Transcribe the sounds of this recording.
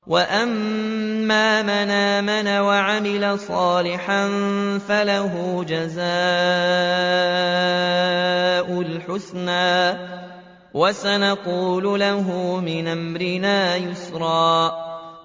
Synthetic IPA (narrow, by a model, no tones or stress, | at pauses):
waʔamː | aːmanaːmanawaʕamɪlasˤɑːlɪħanfalaɦuːd͡ʒazaː | ʔʊlħʊsnaː | wasanɑquːlʊlaɦʊmɪnʔamɾɪnaːjʊsɾˤɑː